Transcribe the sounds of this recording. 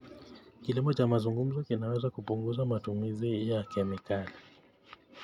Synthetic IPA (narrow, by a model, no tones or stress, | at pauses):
kilimɔt͡ʃamazuŋɡum̩zɔkinawɛzakupuŋɡuzamatumizijakɛmikali